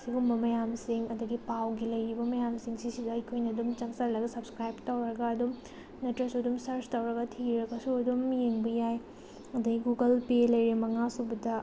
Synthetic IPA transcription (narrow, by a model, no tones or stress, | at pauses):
siɡumbɐmɐjamsiŋɐdɐɡipawɡilɐjɾibɐmɐjamsiŋsisidɐɐjkʰojnɐdumt͡ʃɐŋsɐɾlɐɡɐsɐbskɾajbtawɾɐɡɐːdum | nɐtɐsuɐdumsɐɾstɐwɾɐɡɐtʰiɾɐkɐsuɐdumjeŋbɐjaj | ɐdɐɡiɡuɡɐlpelɐjɾimɐŋasubɐdɐ